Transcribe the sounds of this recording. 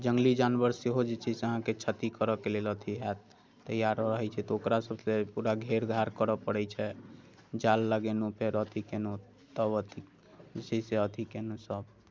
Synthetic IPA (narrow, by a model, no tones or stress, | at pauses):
d͡ʒəŋɡlid͡ʒanbəɾseɦod͡ʒet͡ʃʰɛseəɦãket͡ʃʰət̪ikəɾəkelelət̪ʰiɦat̪ | t̪ːəjaɾəɦɛt͡ʃʰɛt̪ɔokɾasəbsepuɾaɡʱeɾɡʱaɾkəɾəpəɽɛt͡ʃʰɛ | d͡ʒalːəɡenopʰeɾət̪ʰikeno | t̪əbət̪ʰi | d͡ʒet͡ʃʰɛseət̪ʰikenosəb